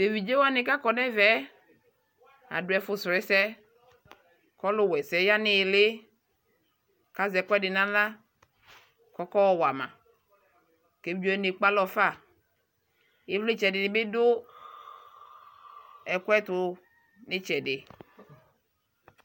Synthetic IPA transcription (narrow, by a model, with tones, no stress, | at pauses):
de˨vi˨d͡ʒe˦wa˦nɪ̃˨ka˦kɔ˨nɛ̃˦vɛ˦ | a̰˨dʊ˨ɛ˨˦fʊ˨sɾɛ˦sɛ˦ | kɔ˦lʊ˦wɛ˨sɛ˨˦ja˦nɪ˨lɪ˦ | ka˦zɛ˨˦kɛ˦dɪ˨nã˦la˦ | kɔ˦kɔ˦wɔ˨wa˨mã̰˨ | ke˨˦o˦ɛ˦ne˨k͡pa˦lɔ˨fa˦˨ | e˦vle˦t͡ʃɛ˨dɪ˨nɪ˨be˦dʊ˦ | ɛ˨kʷɛ˦t̪ʊ˨ | nɪ̃˦t͡ʃɛ˨dɪ˨